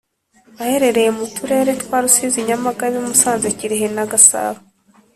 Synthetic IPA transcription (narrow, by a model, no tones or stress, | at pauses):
βahe̞ɾe̞ɾe̞jemutuɾe̞ːɾetkwaːɾusiziɲamaɡaβimusaːnzeciɾeɦenaɡasa̰ːβa